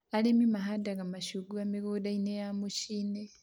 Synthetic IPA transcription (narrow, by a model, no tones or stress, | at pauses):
alemimaɦadaɣamaʃuɡuamiɡodainejamuʃine